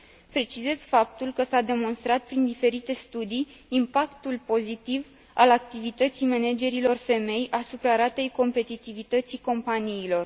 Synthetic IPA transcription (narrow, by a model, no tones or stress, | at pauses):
pɾe̞t͡ʃize̞zfap̚t̪ulkəsad̪e̞mo̞nst̪ɾat̪̚pɾind̪ife̞ɾit̪e̞st̪ud̪iː | mpakt̪ulpo̞zit̪iv | alak̚t̪ivit̪ət̪sijmened͡ʒe̞ɾilo̞rfe̞me̞jasupɾaɾat̪e̞jko̞mpe̞t̪it̪ivit̪ət̪siko̞mpaniːlo̞r